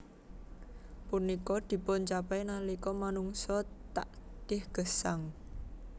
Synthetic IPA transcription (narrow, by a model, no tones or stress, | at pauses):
punikɔd̪̥i̤pʊnt͡ʃapɛjnalikɔmanuŋsɔtt̪a̰ʔɖ̥ɪhɡ̥ə̤saŋ